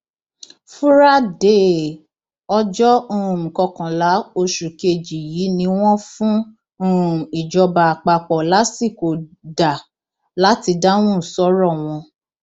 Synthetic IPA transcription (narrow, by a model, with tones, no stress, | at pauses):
fu˦ɾa˦de˦˨ | ɔ˧d͡ʒɔ˦ũ˦ũ˨kɔ˧kã˨la˨˦o˧ʃu˨ke˧d͡ʒi˨ji˨˦nĩ˧w̃ɔ̃˦fũ˦ | ũ˦ũ˨i˨d͡ʒɔ˧ba˧˨k͡pa˧k͡pɔ˨la˨˦si˦˨ko˨da˨ | la˨˦ti˧da˦w̃ũ˦˨sɔ˦ɾɔ˦˨w̃ɔ̃˧